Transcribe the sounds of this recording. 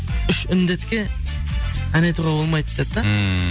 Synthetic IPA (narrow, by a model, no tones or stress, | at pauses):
ʏʃʏnd̪et̪kʲe | ænejt̪uʁɑbolˠmɑjd̪ep̚t̪ɑ